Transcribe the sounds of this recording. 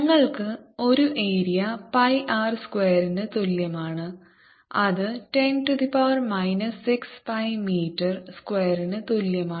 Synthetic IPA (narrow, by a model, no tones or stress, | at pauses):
nɐŋːɐɭkɨo̞ɾuʔeːɾijɐpɐjʔaːrskweːɐɾinɨt̪oljɐmaːɳɨ | ɐðɨʈenʈud̪ipaːrmɐjnɐsːikspɐjmiːʈːɐrskweːɐɾinɨt̪oljɐmaː